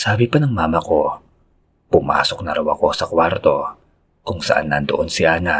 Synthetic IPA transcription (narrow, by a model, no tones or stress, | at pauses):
saabipanaŋmamako | puma̰sʊk̚naɾwakosakwart̪o | kʊŋsa̰ʔa̰nːant̪ṵʔʊnsiana